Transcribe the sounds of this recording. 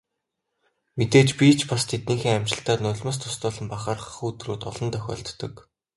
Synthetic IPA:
met̪eːt͡ɕpʲit͡ɕʰpast̪ʰet̪niːxeːŋamʲt͡ɕɪ̆ɬt̪aːt̪nʊɮʲmə̆s̬t̪ʰʊ̥st̪ʊːɮə̆mpaχaːrχχuːt̪ruːt̪ɔɮɞ̆nt̪ʰœxʲɔ̰ːɮt̪ːɞ̆k

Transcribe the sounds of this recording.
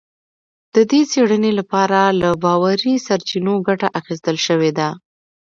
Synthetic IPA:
d̪̥əd̪et͡seɽənelapɑɾalabɑwaɾisaɾt͡ʃinoɡaʈaʔaxes̬t̪əlʃəwed̪a

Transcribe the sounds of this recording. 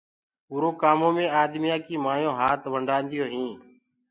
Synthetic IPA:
uːɾoːkaːmõːmẽːaːd̪mɪjaːkiːmaːjõːɦaːt̪ʋəɳɖaːnd̪ɪjoːɦĩː

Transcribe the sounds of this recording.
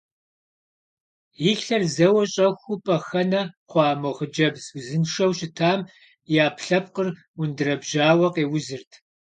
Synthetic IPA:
jɪɬɐrzɐwɐɕʼɐxʷʊpʼɐxɐnɐqʷɑːmowʁəd͡ʒɐbzzɨnʂɐwɕɪtʰaːm | jaːpʰɬɐp̚qər | wʊndɨrɐbʒaːwɐqeːwʊzɨrtʰ

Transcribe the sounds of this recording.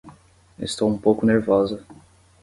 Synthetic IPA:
ɪ̰st̪owũpowkʊneɾvɔzɐ

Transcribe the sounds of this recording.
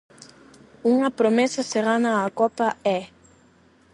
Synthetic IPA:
uŋapɾɔmɛsasɛɾanaːkɔpaɛ

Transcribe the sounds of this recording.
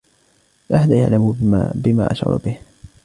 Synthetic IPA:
ʔaħad̪aja̰ʕlambɪma̰ːʔa̰ʃʕɑ̰ɾ̰ˤbɪh

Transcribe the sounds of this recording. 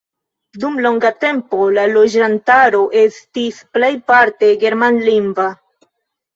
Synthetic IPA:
dumlo̞ŋɡate̞mpo̞lalo̞d͡ʒantaɾo̞ʔe̞stisple̞jpaɾte̞ɡe̞ɾmanlinva

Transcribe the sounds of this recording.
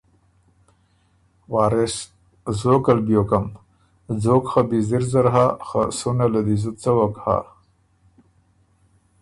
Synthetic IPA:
waːɾes | zokalbjokam | d͡zoːkxabiziɾzaɾɦaxasunalad̪izut̪t͡sawakha̰

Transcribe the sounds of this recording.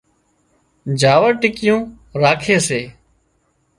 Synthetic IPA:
d͡ʒaːʋəɾʈɪkɪjõː | ɾaːkʰeːseː

